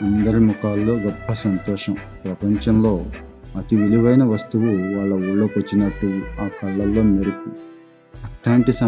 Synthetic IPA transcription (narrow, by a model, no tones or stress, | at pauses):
ɐnd̪ɐɾimukaːlːo̞ːɡɐbʱːɐsɐnt̪ɔːʂɐm | pɾɐpɐɲt͡ʃɐmlo̞ː | ɐt̪iʋiliʋɐjnɐʋɐst̪uʋuʋaːɭːɐuɭːoːpɐt͡ʃːinɐʈːuaːkɐɭːɐlːo̞ːmeɾiku | ɐʈːaːɳʈisa